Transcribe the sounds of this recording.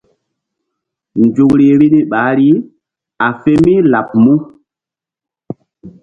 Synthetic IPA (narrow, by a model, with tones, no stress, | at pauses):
nd͡ʒu˨kɾi˨e˨ɾi˦ni˦ɓaː˨˦ɾi˦ | a˨fe˦mi˦la˨p̚mu˦